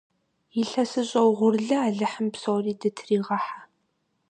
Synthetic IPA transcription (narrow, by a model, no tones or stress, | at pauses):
jɪɬɐsɨɕʼɐwʁʷʊrɮɐaːɮɨħəmpsowriːdɨtʰriːʁɐħa